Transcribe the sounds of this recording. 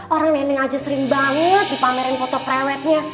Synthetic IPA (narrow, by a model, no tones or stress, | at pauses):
oɾaŋwɛnɪŋad͡ʒasəɾɪŋbaŋət̪̚dipamɛɾɛnkɔt̪ɔpɾɛwɛt̪̚ɲa